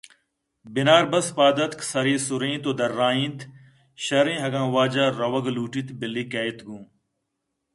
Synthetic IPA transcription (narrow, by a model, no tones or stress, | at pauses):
bɪnaːɾbɐspaːd̪ɐt̪ksɐɾiːsʊɾĩːt̪oːd̪ɐɾːaːĩːnt̪ | ʃɐɾĩːɦɐɡãːʋaːd͡ʒaːɾɐwɐɡluːʈiːt̪bɪlːiːkɐːit̪ɡũː